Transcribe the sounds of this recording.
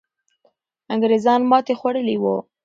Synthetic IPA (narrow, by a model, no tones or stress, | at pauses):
aŋɡɾezɑnmɑt̪exwaɽəliwo̰